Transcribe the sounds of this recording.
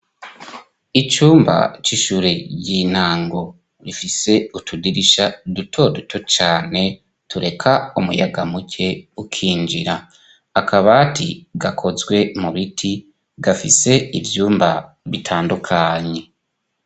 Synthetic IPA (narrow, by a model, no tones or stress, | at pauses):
it͡ʃuːmba̰t͡ʃiʃuːɾeɟin̥aːŋɡo̞ | ɾifise̞utʰudiɾiʃadutʰo̞dutʰo̞t͡ʃaːne̞ | tuɾe̞kʰaumṵja̰ɡamucʰe̞ukʰiːnd͡ʒiɾaː | kʰaβatʰḭɡakʰo̞zɡwe̞muβitʰi | ɡafḭse̞ivjuːmba̰ | βitʰaːndukʰaɲe̞